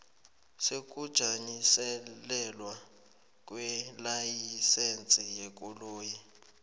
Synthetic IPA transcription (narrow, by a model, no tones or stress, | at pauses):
sek̬ʼud̥ʒ̥ʱaɲisɛlɛlwa | k̬ʼwɛlajisent͡sʼijɛk̬ʼuloːji